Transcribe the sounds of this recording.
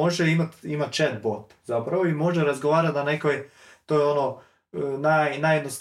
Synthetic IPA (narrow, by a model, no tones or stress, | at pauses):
oʒeimat̪imat̪t͡ʃet̪̚bot̪ | zapɾaʋoimo̞ʒeɾazɡoʋaːɾat̪nanekojt̪oːjono | najnajed̪nos